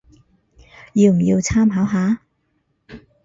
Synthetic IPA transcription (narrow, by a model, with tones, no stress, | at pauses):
jiː˧wm̩˨˩ji˧wt͡sʰaː˥mɦaː˨˥wɦaː˨˥